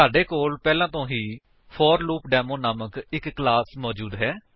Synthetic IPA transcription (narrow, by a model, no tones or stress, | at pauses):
aːɖeːkoːlpɛːlãːt̪õːɦiː | pʰɔːɾluːpɖɛːmõːnaːməkɪkːlaːsmɔːd͡ʒuːd̪ɦɛː